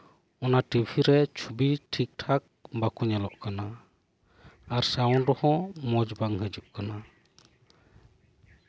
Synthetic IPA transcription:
ɔnaʈibʱiɾɛt͡ʃʰubiʈʰik̚ʈʰak̚bakuɲɛlɔʔkana | aɾsaɔnɾɔhɔmɔd͡ʒbaŋɦəd͡ʒuʔkana

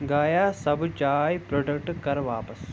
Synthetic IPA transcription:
ɡaːjaːsɐbt͡ʃaːjpɾoːɖɐk̚ʈkɐɾʋaːpɐs

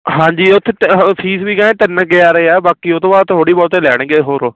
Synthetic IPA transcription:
ɦãːɲd͡ʒiːʊt̪ʰːepʰiːsʋiːkaːẽːt̪ənːkɪaːɾəeːɛːbaːkiːʊt̪õːaːoːɽiːbɔːt̪eːlɛːɽ̃ɡeːɦoːɾoː

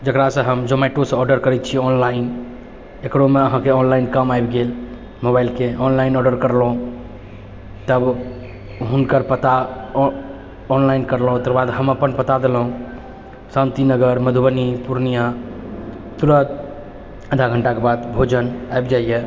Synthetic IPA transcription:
d͡ʒəkɾasə̃ɦəmd͡ʒomɛʈosə̃ɔɾɖəɾkəɾɛt̪̚t͡ʃʰiɔnlain | ekɾomeəɦãkeɔnlainkəmajbɡel | mobailkeɔnlainɔɖəɾkəɾlɦũ | t̪əb | ɦunkəɾpət̪a | ɔnlainkəɾlɦũt̪əɾbad̪ɦəməpənpət̪ad̪elɦũ | sãnt̪inəɡəɾməd̪ʱubənipuɾnija | t̪uɾət̪̚ | əd̪ʱaɡʱəɳʈakebad̪bʱod͡ʒənajbd͡ʒaije

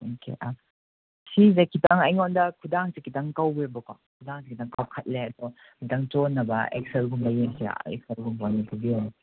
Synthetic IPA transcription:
okʰḛʔa | sizekʰitaŋɐjŋɔndɐkʰudaŋsekitaŋkawbebɐko | kʰudaŋsekʰitaŋkawkʰɐt̚leɐdɔ | kitaŋt͡ʃɔnːɐbɐḛk̚selɡumbɐjeŋsḭḛk̚selɡumbanipʰubiɔj

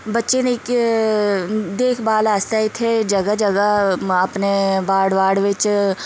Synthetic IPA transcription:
bɐtːʃenik | d̪eːkʰbaːlaːst̪ait̪ʰed͡ʒɐɡad͡ʒɐɡaɐpnebaːɽʋaːɽʋɪt͡ʃ

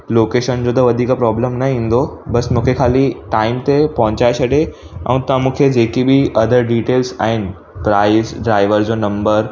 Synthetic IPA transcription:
loːkeːʃənd͡ʑot̪ɐʋɐd̪ʱiːkpɾɔːbləmnɐɦĩnd̪obɐsmũːkʰekʰaːliʈaːɪmt̪epɐɦʊ̃t͡ɕaːesɐɽe | ɛ̰̃ũt̪ãmũːkʰed͡ʑeːkibʱiɐd̪ʱəɾɖiːʈeːlsa̰ːɦɪnɪ | pɾaːɪsɖɾaːɪʋəɾd͡ʑonɐ̃mbəɾ

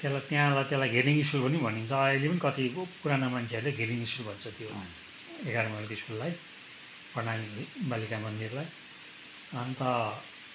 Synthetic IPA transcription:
t̪jãlat̪jãlat̪jãlajɡʱeɾiŋiskulpʌnibʱʌnint͡sʰʌʌjlepʌnikʌt̪ipuɾanamant͡sʰeʌɾuleɡʱeɾiŋiskulbʱʌnt͡sʰʌt̪jo | eɡaɾʌmalkoiskulːaj | pʌnanibalikabʌnd̪ieɾulaj | ʌnt̪ʌ

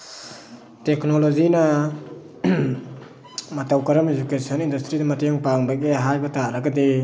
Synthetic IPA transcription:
teknolozinɐ | matawkaɾamed͡ʒukesʰɔnindastɾidamateŋpaŋbakeɦajbataɾaɡade

